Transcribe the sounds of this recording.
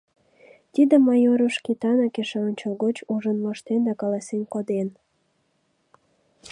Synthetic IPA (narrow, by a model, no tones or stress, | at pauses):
t̪id̪əmɑjoɾoʃkit̪ɑnɑkeʃeonʲt͡ɕolɣot͡ɕuʒənmoʃt̪end̪ɑkɑlɑsenkod̪en